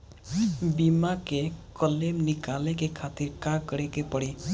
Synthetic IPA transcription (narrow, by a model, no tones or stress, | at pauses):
bimakekʌlemnikalekekʰat̪iɾkãkʌɾekepʌɽi